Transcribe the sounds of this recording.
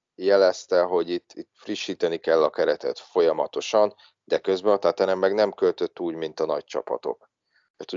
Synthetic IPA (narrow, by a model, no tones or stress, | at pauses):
jɛlɛst̪ɛɦo̞ɟit̪ːit̪friʃːiːt̪ɛnikɛlːɒkɛɾɛt̪ɛ̰t̪fo̞jɒmɒt̪o̞ʃɒn | d̪ɛkø̞zbɛnt̪aːt̪ɛnɛmːɛɡnɛmkø̞lt̪ø̞t̪ːuːɟmint̪ɒnɒc̚t͡ʃɒ̰pɒ̰t̪o̞̰k̪ | ɛt̪u